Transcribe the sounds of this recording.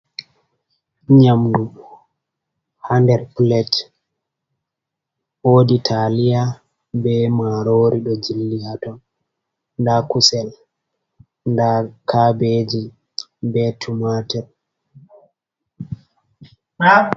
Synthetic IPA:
ɲamdu | handɛɾplɛt | oːditʰalija | bɛmaɾoɾiɗɔd͡ʒilːijatɔn | ndakusɛl | ndakʰabed͡ʒi | bɛtʰumatɛɾ

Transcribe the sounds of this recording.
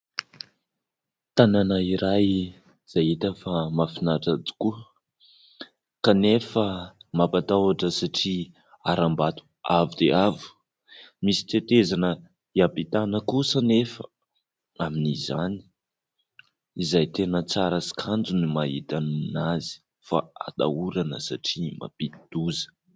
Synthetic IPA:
t̪ananaiɾaj | z̥ajit̪əfamafinaʈ͡ʂad͡zi̥kuə | kanefəmapat̪awaʈ͡ʂəsaʈ͡ʂi | aɾambat̪u̥avud̪̥eavu̥ | misi̥t̪et̪ezanə | iapit̪anəkusənefə | aminizani̥ | izajt̪enət͡saɾəsi̥kʰand͡zunimaɦit̪annazi̥ | fa̰a̰d̪a̰uɾanə̰sa̰ʈ͡ʂima̰pit̪id̪̥uzə̥

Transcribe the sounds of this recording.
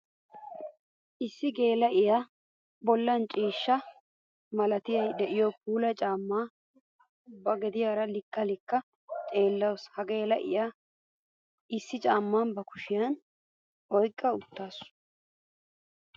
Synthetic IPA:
ʔɪsːɪɡe̞ːlɐʔɪja | bɔlːɐnt͡ʃʼiːʃːɐ | mɐlɐt̪ɪjɐjd̪ɛʔɪjok̚uːlɐt͡ʃʼaːmːaː | bɐɡɛd̪ɪjaːɾɐlɪkːɐlɪkːɐ | t̪ʼe̞ːlːɐwshɐɡe̞ːlɐʔɪ̰ja | ɪsːɪt͡ʃʼaːmːaːnbɐkʊʃɪjɐn | ɔjkʼːɐʊt̪ːaːsʊ̥

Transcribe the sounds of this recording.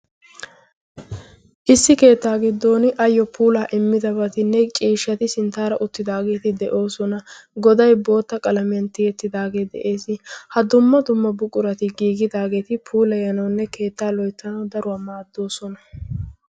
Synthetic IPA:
ʔɪsːɪke̞ːt̪ːaːɡɪd̪ːo̞ːnɪʔɐjːɔpʰuːlaːʔɪmːɪd̪ɐbɐt̪ɪnːɛt͡ʃʼiːʃːɐt̪ɪsɪnt̪aːɾɐʔʊt̪ːɪd̪aːɡe̞ːt̪ɪd̪ɛʔo̞ːsɔnɐɡɔd̪ɐjbo̞ːt̪ːɐkʼɐlɐmɪjɐnt̪ɪjɛt̪ːɪd̪aːɡe̞ːd̪ɛ̰ʔeːsɪhɐd̪ʊmːɐd̪ʊmːɐbʊkʼʊɾɐt̪ɪɡiːɡɪd̪aːɡe̞ːt̪ɪpʰuːlɐjɐnɐwnːɛke̞ːt̪ːaːlɔjt̪ːɐnɐwd̪ɐɾʊwaːmaːd̪ːo̞ːsɔnɐ

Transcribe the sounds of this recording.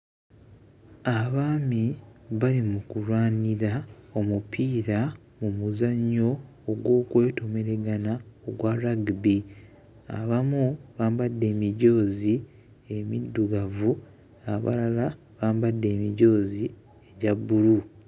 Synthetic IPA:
aβaːmiβalimukulwaːniɾao̞mupʰiːɾa | mumuzaɲːo̞ː | ɡwo̞ːkwe̞ːto̞me̞ɾe̞ɡanaoɡwaɾaɡbi | a̰βamuβaːmbadːe̞ːmiɟo̞ːzi | e̞mḭdːuɡavu | aβa̰lala | βaːmbadːe̞ːmiɟo̞ːzi | e̞ɟabːulu

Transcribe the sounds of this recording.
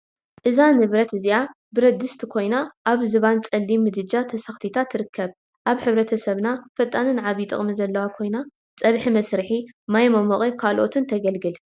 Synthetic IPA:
ʔɨzanɨβɾɐt̪ɨzia | bɨɾɐd̪ɨst̪ʰkʰo̞jnaʔaβzɨβant͡sʼɐlːimɨd̪ɨd͡ʒat̪ʰɐsɐxt̪ʰit̪ʰat̪ʰːɨɾɨkːɐβ | ʔaβħɨβɾɐt̪ʰɐsɐβnafɐt̪ʼːanɨnʕaβit̪ʼɨ̰χʼmizɐlːɐwakʰo̞jna | t͡sʼɐβħimɐsɾɨħimajmɐmoχʼekʰalʔo̞t̪ʰɨnt̪ʰɐɡɐlɡɨl

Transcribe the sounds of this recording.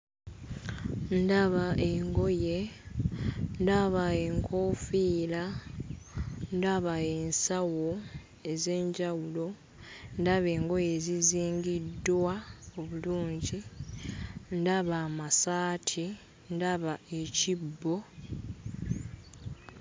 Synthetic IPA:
ndaβaeŋɡo̞je̞ | ndaβae̞ŋkʰoːfiːla | ndaβae̞nsawo̞ | e̞zeːɲɟawulo̞ | ndaβe̞ːŋɡo̞je̞ːziziːŋɡidːwaoβuluːɲɟi | ndaβaːmasaːtʰi | ndaβae̞cibːo̞

